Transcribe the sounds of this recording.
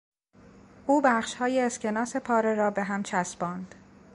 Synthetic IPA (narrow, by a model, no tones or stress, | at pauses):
ʔuːbæχʃhɒːjeːscʰe̞nɒːse̞pʰɒːɾeɾɒːbe̞ɦæmt͡ʃʰæsbɒːnd̪̥